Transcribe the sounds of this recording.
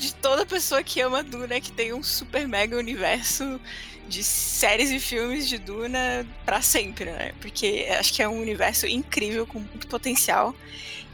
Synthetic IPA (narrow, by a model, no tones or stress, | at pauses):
d͡ʒɪt̪od̪ɐpesoɐkʰɪɐ̃mɐd̪ũnɐkɪ̥t̪ẽj̃ũsupeɾmɛɡɐunivɛɾsʊ | d͡ʒɪsɛɾɪzɪfiwmɪzd͡ʒɪd̪ũnɐpɾɐsẽmpɾɪnɛ̰poɾkʰea̰ʃʊ̥kɪɛũunivɛɾsʊʔĩŋkɾivewkõmũj̃t̪ʊ̥pot̪ẽsia̰w